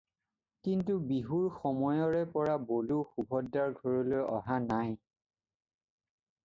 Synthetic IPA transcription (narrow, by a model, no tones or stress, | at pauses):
kintubiɦuɹxɔmɔjɔɹɛpɔɹaboluxubʱɔdːaɹɡʱɔɹɔlojʔɔɦanaj